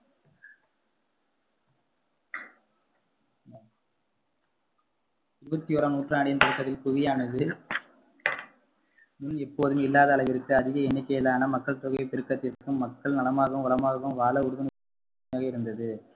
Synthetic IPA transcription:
ɪɾɯbɐt̪ːijoːɾɐnuːʈraːɽɪjɐnt̪ɪɾɯkːɐt̪ːɪlpʊɣɪjaːnɐðɯ | mʊnɛpːoːðɯmɪlːaːðɐːlɐʋɪɾɯkːɯɐðɪɣɐɛnːɪkːɐjɐlaːnɐmɐkːɐɭt̪ʊɣɐpɪɾɯkːɐt̪ːɪɾkːɯmːɐkːɐɭnɐlɐmaːɣɯmʊlɐmaːɣɯmʋaːlɐʊɽɯɣɐnɯ | jaːɣɐɪɾɯnd̪ɐðɯ

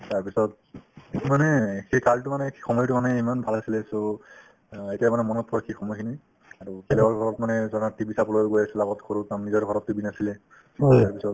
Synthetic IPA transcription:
taɹpisɔt̚ | manɛxejkaltumanɛkʰi̥xɔmɔjtumanɛimanbʱalasilɛso | etijamanɛmɔnɔtʰɹɔkʰixʰɔmɔjkʰini | aɹukɛlɛɔɹɡʱɔɹɔtmanɛzɔnatibisapɔloɡojasɛlaɡɔtkʰoɹutamnizɔɹɡʱɔɹɔtːibinasilɛ | aɹpisɔt

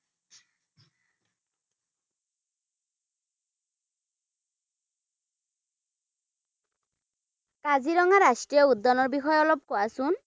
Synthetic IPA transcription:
kaziɾɔŋaɾasʈɹijɔud̪ːɔnɔɹbixɔjɔlɔb̚kɔasun

